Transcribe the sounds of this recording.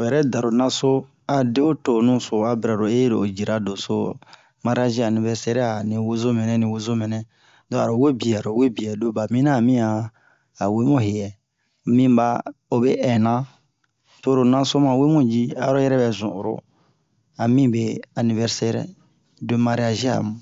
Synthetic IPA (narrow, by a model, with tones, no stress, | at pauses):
o˨jɛ˨ɾɛ˦da˨ɾo˨nã˦so˦ | a˨de˦o˦to˨nũ˦so˨a˨bi˨ɾa˨ɾo˨e˦ɾo˨o˨d͡ʒi˨ɾa˨do˨so˦ | ma˦ɾi˦a˦ʒi˦a˨nĩ˨vɛ˦ɾsɛ˦ɾɛ˦a˨nĩ˨wo˦zo˦mɛ̃˨nɛ̃˦nĩ˨wo˦zo˦mɛ̃˨nɛ̃˦ | dɔ̃˨˦˨a˨ɾo˨we˦bi˨a˨ɾo˨we˦bi˨ɛ˨do˦ba˨mĩ˦nã˦˨mĩ˦aː˨ | we˦mũ˦ɦe˨jɛ˨ | mĩ˦ba˦o˨be˦ʔɛ˨nã˦ | to˦˨ɾo˨nã˦so˦mã˨we˦mũ˦d͡ʒi˦a̰˨˦ɾo˦jɛ˦ɾɛ˦bɛ˨zṵ̃˨ʔɾo̰˦ | a˨mĩ˦be˦a˨nĩ˨vɛ˦ɾsɛ˦ɾɛ̰˦ | do˦ma˧ɾi˦a˦ʒi˦a̰˨mũ˨